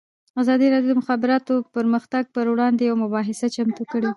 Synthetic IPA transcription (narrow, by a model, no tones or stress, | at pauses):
azɑd̪iɾɑdjodod̪əmʊxɑbɪɾɑt̪opəɾməxt̪aɡ̚pəɾwɽɑnd̪ejawmʊbɑɦɪsat͡ʃamt̪ukəɽe